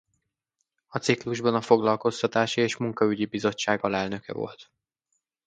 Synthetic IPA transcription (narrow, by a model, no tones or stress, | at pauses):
ɒt̪sikluʒbɒnɒfo̞ɡlɒlko̞st̪ɒt̪aːʃieːʃmuŋkɒyɟibizo̞t͡ʃːaːɡɒlɛlnø̞kɛ̰vo̞̰lt̪